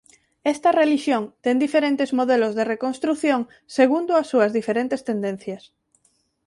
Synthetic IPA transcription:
ɛst̪ɐreliʃjoŋt̪ɛnd̪ifeɾent̪ezmoðelozðerekonst̪ɾuθjoŋ | seɣund̪ʊɐsːuɐzðifeɾent̪est̪end̪en̟θjɐs

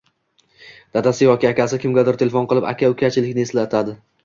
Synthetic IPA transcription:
d̪̥ad̪asɪjɒkʲaaːkʲasɪkʲʰɪmɡʲad̪ɪɾt̪ʰe̞lefonqɨlˠɪpa̰kʲaʊkʲʰat͡ʃʰɪlɪkʲnɪe̞slat̪ʰad̪ɪ

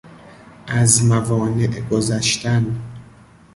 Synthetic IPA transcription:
ʔæzmævɒːne̞ʔɡozæʃt̪æn

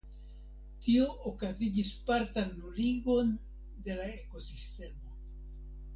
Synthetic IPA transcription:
tio̞ʔokazid͡ʒispaɾtanːuliɡo̞n | de̞laeko̞siste̞mo̞

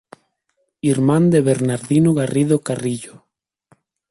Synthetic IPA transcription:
iɾmãnd̪eβeɾnaɾðinoɣariðokariʎo

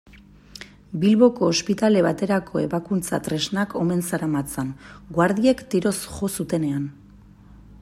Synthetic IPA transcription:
bilβo̞ko̞ːspit̪ale̞βat̪e̞ɾakʰo̞e̞βakunt͡sa̰t̪ɾe̞znakʰo̞me̞nsaɾamat͡sanɡwaɾðie̞kt̪iɾo̞sʝo̞sut̪e̞ne̞an

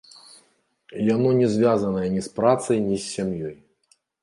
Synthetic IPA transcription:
janɔnʲɛzʲvʲazɐnɐjɐnʲispɾat̪sɐjnʲisʲːamjɔj

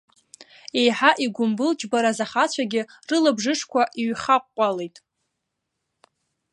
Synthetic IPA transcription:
e̞jħaʔiɡʷʊmbɨlt͡ʃʼbaɾazaχat͡ɕʷʰaɡʲɪrɨlabʐɨʂʰkʷʰaʔiɥχaqʷːʼalejtʼ

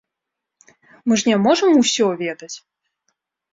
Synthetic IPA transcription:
mɨʐnʲɛmɔʐɨmusʲɔvʲɛd̪ɐt͡sʲ

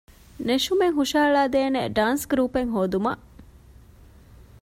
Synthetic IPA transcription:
neʃumeŋɦuʃaːɭaːd̪eːnḛɖaːnsɡɾuːpeŋɦoːd̪umɐ̰ʔ

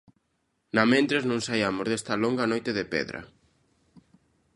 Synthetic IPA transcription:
nɐmẽnt̪ɾeznõŋsajamozðest̪ɐloŋɡɐnojt̪eðepɛ̰ðɾɐ̰

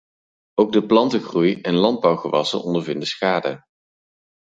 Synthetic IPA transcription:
owɡ̚dəplɑntəxrujɛnlɑnd̚bʌwχəʋɑsə̰nɔndəɹvɪndəsxaːdə

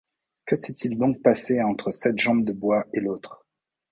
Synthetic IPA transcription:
kəsɛt̪ild̪ɔ̃k̚paseɑ̃t̪χəsɛt̪ʒɑ̃bd̪əbwaelot̪χ

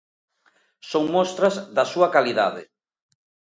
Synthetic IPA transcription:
soŋmɔst̪ɾɐzðɐsuɐkaliða̰ðɪ̰

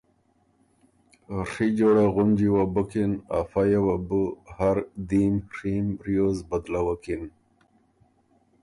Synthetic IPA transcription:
rid͡ʑoɽeɣʊnd͡ʑiwabəkinafajawabuhaɾd̪imrimɾijoːzbad̪lawakin

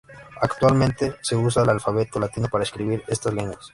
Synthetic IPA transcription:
akt̪walmẽnt̪e̞se̞us̬aelalfaβet̪olat̪inopaɾaeskɾiβiɾe̞st̪azleŋɡwas

